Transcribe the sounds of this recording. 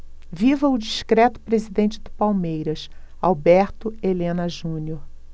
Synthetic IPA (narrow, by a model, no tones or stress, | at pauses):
vivɐʊd͡ʒiʃkɾɛt̪ʊ̥pɾezid̪ẽnt͡ʃɪd̪ʊpawmejɾɐs | awbɛɾt̪ʊelẽnɐʒũnioɾ